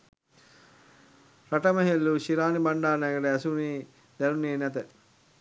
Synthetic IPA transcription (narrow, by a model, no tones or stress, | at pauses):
ɾɐʈɐmɐɦelːuʃiɾaːnibɐɳɖaːnɐɡɐɖɐɐsuniː | d̪ɐɾuneːnɐt̪̬ɐ